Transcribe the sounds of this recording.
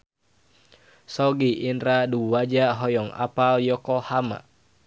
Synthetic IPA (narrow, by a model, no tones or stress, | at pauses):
sɔɡiʔinɾaduwad͡ʒaɦɔjɔŋa̰paljɔkɔhama̰